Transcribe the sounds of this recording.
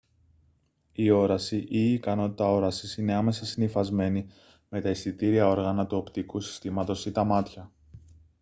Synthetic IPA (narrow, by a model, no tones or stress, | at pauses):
io̞ɾɐsiʔiːkɐno̞t̪i̥t̪ɐo̞ɾɐsisine̞ɐme̞sɐsinifɐzme̞ni | me̞t̪ɐisit̪iɾiɐo̞ɾɣɐnɐt̪uo̞pt̪ikusi̥st̪imɐt̪o̞sit̪ɐmɐt̪çɐ